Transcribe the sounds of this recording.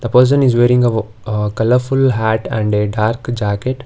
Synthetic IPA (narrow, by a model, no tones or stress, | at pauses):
d̪̥əpəɾs̬ə̃nɪzʋeːɾɪ̃ŋɡə | kɐləɾfʊlɦæːʈɛ̃ɳɖeɖaːɾkd͡ʒæːkeʈ